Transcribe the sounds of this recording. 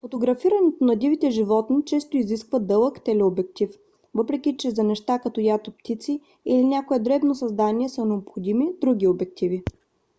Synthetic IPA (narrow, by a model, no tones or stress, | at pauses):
fot̪oɡɾɐfiɾɐnɛt̪onɐd̪ʲivit̪ɛʒivɔt̪nit͡ʃɛst̪oiziskvəd̪ɤlˠəkt̪ɛlɛobɛk̚t̪if | vɤpɾɛkʲit͡ʃɛzɐnɛʃt̪akɐt̪ɔjat̪opt̪it̪si | ilinʲakoɛd̪ɾɛbnosɐzd̪aniɛsənɛopxod̪imid̪ɾuɡ̟ʲiobɛk̚t̪ivi